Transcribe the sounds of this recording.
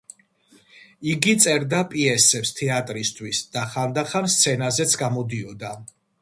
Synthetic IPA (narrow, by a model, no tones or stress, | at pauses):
iɡit̪sʼɛɾd̪apʼiɛsɛpst̪ʰɛat̪ʼɾist̪ʰwisd̪̥aχand̪aχanst̪sʰɛnazɛt̪sʰɡamɔd̪iɔd̪a